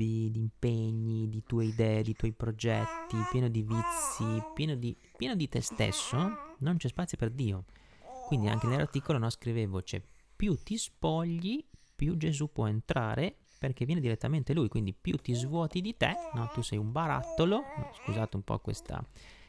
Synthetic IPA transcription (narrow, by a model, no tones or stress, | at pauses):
d̪id̪impeɲːid̪it̪uɔeid̪ɛːed̪it̪wɔjpɾod͡ʒɛt̪ːipjɛːnod̪ivit̪sipjɛːnod̪i | pjɛːnod̪it̪est̪ḛsːonont͡ʃɛspat̪sːjoperd̪iːo | kwind̪ia̰ŋkenelart̪iːkolonɔskɾiveːvot͡ʃɛ̰pjut̪ːispɔʎːipjud͡ʒezupːwɔent̪ɾaːɾʔe | perk̟evːjɛːned̪iɾet̪ːament̪eluːjkwind̪ipjut̪ːizvwɔːt̪id̪it̪enɔt̪usɛjumbaɾa̰t̪ːoloskuzaːt̪eumpɔ̰kwḛst̪a̰